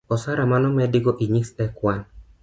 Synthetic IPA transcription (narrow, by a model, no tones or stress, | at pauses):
ɔsaɾamanɔmɛdɪɡɔʔiɲiksɛkwan